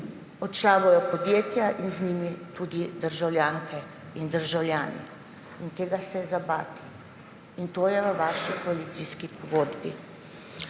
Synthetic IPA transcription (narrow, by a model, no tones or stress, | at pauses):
ɔt͡ʃaːʋɔjɔpɔd̪jeːt̪jaʔinzniːmit̪uːd̪id̪əɾʒawlʲjaːŋkʰɛ | ind̪əɾʒawlʲjaːnḭ | int̪eːɡasɛzabaːt̪i | int̪oːjɛʋəʋaːʃikɔalit̪siːskipʰɔɡoːd̪bḭ